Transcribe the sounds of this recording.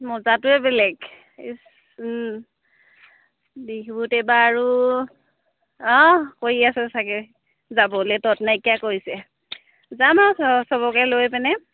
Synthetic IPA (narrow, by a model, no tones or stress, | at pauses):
mɔzatʊɛbɛlɛɡ | dikibutɛbaːɹu | ɔ̃koɹiasɛsakɛ | zabɔlɛtɔtnaikjakoɹisɛ | zamawssɔbɔkɛlojpɛnɛ